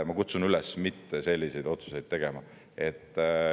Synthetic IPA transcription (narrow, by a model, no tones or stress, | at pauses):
mɑkut̪sunylɛsmit̪ːese̞lʲːise̞jd̪̥o̞t̪su̥se̞jd̪̥̚t̪e̞ɡ̥e̞mɑ | et̪ˑː